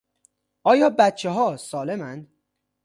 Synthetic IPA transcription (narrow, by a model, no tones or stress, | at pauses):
ʔɒːjɒːbæt̪̚t͡ʃʰeɦɒːsɒːle̞mænd̪̥